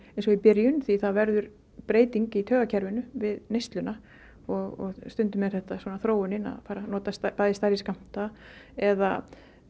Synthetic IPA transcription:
ɛns̬ɔipɪɾjʏnθiθavɛɾðʏɾ | pɾeːjt̪iɲcɪit̪ʰœːɣacʰɛɾvɪnʏvɪðnejst̪lʏna | ɔɣɔ̰ɣst̪ʏnt̪ʏmjɛɾ̥θɛht̪aswɔːnaθɾoːwʏnɪna̰ðfaːɾanɔːt̪apaːjðɪst̪aɾjɪskam̥t̪aɛða

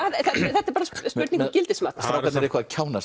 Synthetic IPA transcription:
aðθɛt̪θɛt̪aɛɾpaːɾasspʏɾt̪niŋkɔcɪlt̪ɪsmat̪ɾat̪anɛɾɪkʰvaðcʰaːwnas

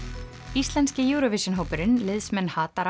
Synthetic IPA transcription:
ist̪lɛnscɪjuɣɾovɪsjʏnɦowpʏɾɪnlɪðsmɛnːhaːt̪aɾ

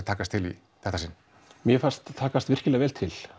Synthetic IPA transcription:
t̪ʰaːkast̪ʰɪlḭ | θɛht̪asɪn | mjɛfanst̪t̪ʰːaːkast̪vɪr̥cɪlɛːɣvɛːlt̪ʰɪl̥

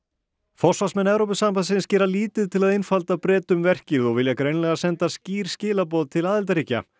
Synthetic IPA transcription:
fɔ̥svasmɛnːɛvɾowpʏsampasɪnscɪːɾaliːt̪ɪðt̪ʰɪlaðɪjnfalt̪apɾɛːt̪ʏmvɛr̥cɪɾðɔɣvɪljakɾeːjnlɛɣasɛnt̪asciːɾ̥scɪːlapɔːðt̪ʰɪlaːðɪlt̪aɾiːca̰

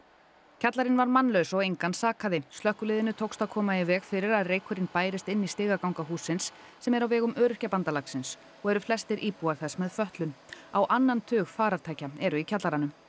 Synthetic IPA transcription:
cʰat̪laɾɪnvaɾmanlœɥsɔɣejŋkansaːkaðɪst̪lœhkʏlɪːðɪnʏt̪ʰowkst̪akʰɔːmaɪvɛːɣfɪɾɪɾaðreːjkʰʏɾɪnpaːjɾɪst̪ɪnːist̪ɪːɣakawŋkaɦuːsɪnsː | ɛmɛɾawvɛːɣʏmœːɾʏ̥hcapant̪alaksɪns | ɔɣɛɾʏflɛst̪ɪɾʔiːpuaɾ̥θɛsmɛðfœht̪lʏnawʔanːant̪ʰʏːɣfaːɾaɾt̪ʰaːjcaɛɾʏicʰat̪laɾanʏm

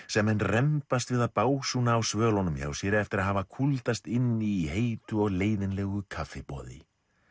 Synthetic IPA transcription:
sɛmːɛnːrɛmpast̪vɪðaðpaːwsunaːwsvœːlɔnʏmça̰ːwsjɛɾɪɛft̪ɪɾaðɦavakʰult̪ast̪ɪnːiːɦeːjt̪ʏɔɣleːjðɪnlɛɣʏkʰafɪpɔ̰ːðɪ̰

